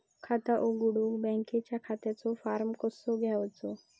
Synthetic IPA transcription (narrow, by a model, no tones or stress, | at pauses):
kʰat̪aʔoɡuɽuɡbɛ̃ŋket͡ɕjakʰat̪jat͡sɔfaɾmkɔsɔɡʱjaʋt͡sɔ